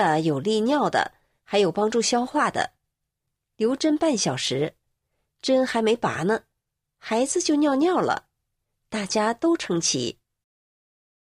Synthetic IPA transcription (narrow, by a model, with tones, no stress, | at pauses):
ə˧jo˨˩ʊli˥˧njɑ˥˩ʊd̪ə̰˩ | xa˧˥ɪjo˨˩ʊpɑ˥ŋʈ͡ʂu˥˩ɕjɑ˥ʊxwa˥˩d̪ə̰˩ | ljo˧˥ʊʈ͡ʂə˥npa˥˩nɕjɑ˨˩ʊʂɻ̩˧˥ | ʈ͡ʂə˥nxa˧˥ɪme˧˥ɪpa̰˨˩nə˧ | xa˧˥ɪd͡zɹ̩˧t͡ɕjo˥˧ʊnjɑ˥˩˧ʊnjɑ˥˩ʊlə̰˩ | t̪a˥˩t͡ɕja˥t̪o˥ʊʈ͡ʂʰɤ˧˥ŋt͡ɕʰḭ˧˥